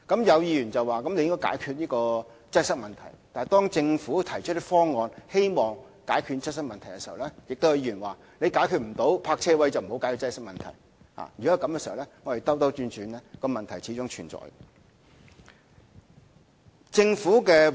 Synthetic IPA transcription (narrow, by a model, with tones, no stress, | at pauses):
kɐ˨˥mjɐ˨˧wjiː˧jyː˨˩nt͡sɐ˨waː˨˩kɐ˦mle˧jɪ˥ŋkɔ˥jka̰ː˨˧˥jkʰyː˧t̚jiː˥kɔː˧ | t͡sɐ˥jsɐ˥k̚mɐ˨nt̪ʰɐ̰˨˩jt̪aː˨jt̪ɔː˥ŋt͡sɪ˧ŋfuː˨˥t̪ʰɐ˨˩jt͡ʃʰt̪̚ːi˥fɔː˥ŋːɔː˨˧nhe˥jmɔː˨ŋ | kaː˨˥jkʰy˧t̚t͡sɐ˥sɐ˥k̚mɐ˨nt̪ʰɐ˨˩jkɛ˧si˨ɐ˨wlɛ˥jɪ˨k̚t̪o˥whɐ˧jiː˧˩yː˨˩nwaː˨ | le˨˧jkaː˨˥jkʰyː˧t̚m̩˨˩t̪o˨˥wpʰaː˧k̚t͡sʰɛː˥wɐ˥jt͡sɐ˨wm̩˨˩o˨˥wkaː˨˥kʰy˧˥t͡sɐ˥jsɐ˥k̚mɐ˨˩nt̪ʰɐ̰˨˩j | ha̰ː˨˩jyː˨˩kɔ˦˥˨kɐ˨˥mkɛː˧si˨˩˨ɐ˨wɛ˥ŋɔ˨˧te˨˩t̪ɐ˥wt̪ɐ˥wt͡ʃyː˧nt͡ʃyː˨˥nlɛː˥kɔː˧mɐ˨nt̪ʰɐ˨˩jt͡sʰiː˨˥t͡sʊ˥ŋt͡ʃʰy̰ː˨˩nt͡sɔ̰ː˨˩j | t͡sɪ˧ŋfuː˨˥kɛː˧